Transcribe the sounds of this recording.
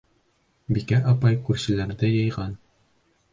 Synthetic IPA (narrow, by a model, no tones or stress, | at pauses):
bikæʔɑpɑjkʉɾɕɘ̆læɾðɘjɤ̆jʁɑn